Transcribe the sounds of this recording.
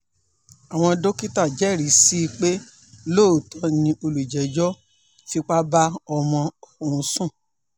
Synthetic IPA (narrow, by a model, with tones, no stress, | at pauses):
a˨w̃ɔ̃˧do˦ki˦ta˦˨d͡ʒɛ˨˦˨ɾi˨˦si˦i˧k͡pe˦ | lo˦˨tʰɔ˨˦nĩ˧o˧lu˨i˨d͡ʒɛ˨˦d͡ʒɔ˦ | fi˦k͡pa˦ba˦ɔ˧mɔ̃˧˨kũ˨˧˦sũ˦˨